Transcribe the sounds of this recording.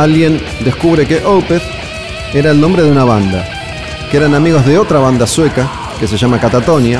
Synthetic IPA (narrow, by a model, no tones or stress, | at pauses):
alɣje̞n | d̪e̞skuβ̞ɾe̞keʔowpeθ | eɾaelnombɾeðeunaβ̞and̪a | keɾanamiɣo̞zðeo̞t̪ɾaβand̪aswe̞ka | ke̞s̬eʒamakat̪at̪o̞nja